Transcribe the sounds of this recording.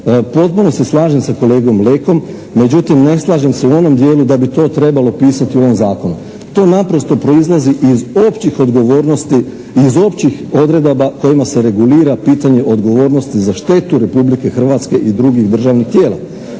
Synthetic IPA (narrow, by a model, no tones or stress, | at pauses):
po̞t̪̚puno̞se̞slˠaːʒemsako̞le̞ːɡo̞mleko̞mː | e̞d͡ʑut̪imne̞slˠaːʒemse̞uo̞no̞md̪je̞ːlud̪abit̪o̞ːt̪ɾe̞balˠo̞piːsat̪iuoʋo̞mzaːko̞nu | t̪o̞ːnapɾo̞st̪o̞pɾo̞izlˠaziʔizopt͡ɕixod̪ɡoʋoɾnost̪i | izo̞pt͡ɕixo̞d̪ɾe̞d̪abako̞jimase̞ɾe̞ɡuliːɾapiːt̪aɲe̞ʔo̞d̪ɡo̞ʋo̞ːɾnost̪izaʃt̪e̞t̪uɾe̞publike̞xr̩ʋat̪ske̞ʔid̪ɾuɡiɣd̪r̩ʒaːʋnixt̪je̞ːla̰